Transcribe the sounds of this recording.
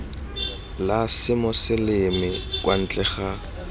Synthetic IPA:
lasɪmɔsɪlɪmɪkwan̩t͡ɬʼɛχa

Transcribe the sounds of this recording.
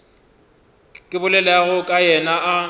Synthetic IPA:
kʼɪbʊlɛlɛaɣʊkʼajɛnaʔa

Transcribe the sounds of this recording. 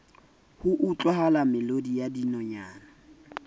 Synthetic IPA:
hʊʔʊt͡ɬʼɔhalamɪlodijadinɔɲaːna

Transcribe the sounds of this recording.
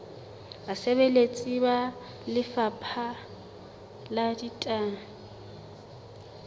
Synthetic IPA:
aseβelet͡sʼiba | lɪfapʰa | laditʼaːŋ̩

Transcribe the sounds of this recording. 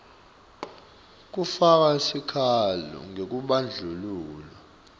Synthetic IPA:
k̬ufak̬asikʰalɔ̰ŋek̬uɓand͡ɮʱuluːla

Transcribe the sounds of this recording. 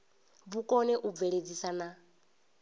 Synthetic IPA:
βukʼɔnɛʔub̪vɛɺed͡zisana

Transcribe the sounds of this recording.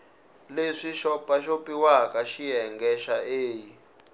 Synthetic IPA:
leʂiʃɔpaʃopiwakaʃiɦɛŋɡɛʃaeːji

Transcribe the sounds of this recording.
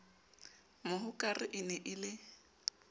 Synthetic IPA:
mʊɦʊkʼarɪʔɪnɛʔɪlɪ

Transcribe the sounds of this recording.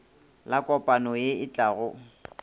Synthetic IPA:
lakʼɔpʼanɔjeɪt͡ɬʼaːɣʊ

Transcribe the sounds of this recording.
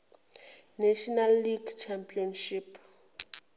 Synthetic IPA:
nɛʃɔnalːiɡt͡ʃʰampʼiɔnʃip

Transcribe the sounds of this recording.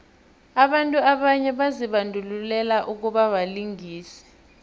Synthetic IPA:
aɓantʼuaɓaɲɛɓaziɓandʱululɛlaʔuk̬uɓaɓaliŋiːsɛ̥

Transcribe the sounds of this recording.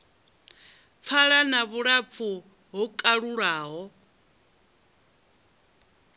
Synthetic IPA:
p̪fʰaɺanaβuɺap̪fʰu | ɦɔkʼaɺuɺaːɦɔ

